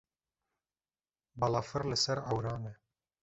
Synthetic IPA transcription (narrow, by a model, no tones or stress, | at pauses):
balaːfɨɾlɨsɛɾawɾaːne